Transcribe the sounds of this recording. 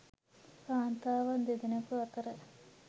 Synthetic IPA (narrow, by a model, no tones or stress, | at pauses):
paːnt̪aːʋɐnd̪ed̪inɐkuɐt̪əɾə